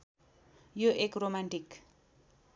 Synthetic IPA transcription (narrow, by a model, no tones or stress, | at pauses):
joʔekromaɳʈik